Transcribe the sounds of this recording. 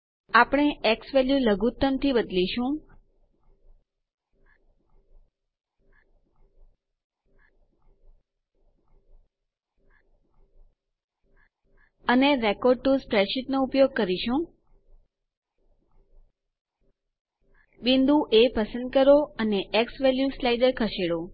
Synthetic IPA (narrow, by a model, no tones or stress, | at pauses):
apɽ̃eeksʋɛljuləɡut̪ːəmt̪ʰibəd̪liʃũ | əneɾekoɾɖ̚ʈuspɾeʃit̪noupjoɡ̚kəɾiʃũ | bind̪ʱũʔepəsə̃nd̪̚kəɾoəneʔeksʋɛljuslajɖəɾkʰəʃeɭo